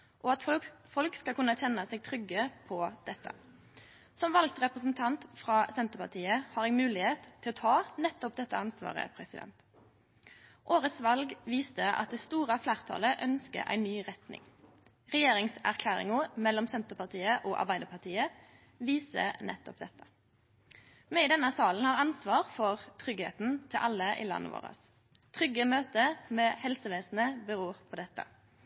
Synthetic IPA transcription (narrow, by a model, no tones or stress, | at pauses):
ʔɔɑt̪fɔlkskɑkʉnːəçɛnːəsɛːɡ̚t̪ʰʁʏɡəpʰɔd̪̥ɛt̪ːə̰ | sɔmʋɑlɡ̚t̪ʁɛpʁəsn̩t̪ʰɑnt̪fʁɑːsɛnt̪əpɑʁt̪ʰiːəhɑːʁɛɡmʉːlɪheːt̪ʰːɪlɔt̪ʰɑːnɛt̪ːɔp̚d̪ɛt̪ːə̰ɑnsʋɑ̰ːʁə̰pʰɾɛsɪd̪ɛ̰nt̪ | ʔoːʁət̪sʋɑlɡʋiːst̪əʔɑ̰t̪̚d̪ɛːst̪uːʁəflæːʁt̪ʰɑ̰ːləʔœnskə̰ɾʔæ̰ɪnːyːʁɛt̪nɪ̰ŋ | ʁɛjeːʁɪŋsæʁkʰlæːʁɪ̰ŋʊmɛlːɔmsɛnt̪əʁpɑʁt̪ʰiːəʔoːʔɑ̰ʁbæɪd̪əpɑʁt̪ʰiːə | ʋiːsə̰nʔɛ̰t̪ːɔp̚d̪ɛt̪ːə̥ | mɛiːd̪ɛnːəsɑːln̩hɑːʁɑnsʋɑːʁfɔʁt̪ʰʁʏɡhḛːt̪n̩t̪ʰɪlʔɑlːəʔḭːlɑ̰nːʔə̰ʋo̰ːʁə̰s | t̪ʰʁʏɡəmøːt̪əmeːhɛlsəʋeːsn̩əbəʁuːʁpʰɔːd̪ɛt̪ːə̰